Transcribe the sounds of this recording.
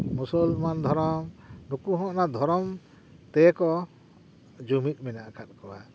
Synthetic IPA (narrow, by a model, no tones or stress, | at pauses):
musɔlmand̪ʱɔɾɔmnukuɦɔ̃ʔnad̪ʱɔɾɔm | t̪ɛkɔ | d͡ʒumit̪̚ˀminaʔkʰat̪̚kɔwa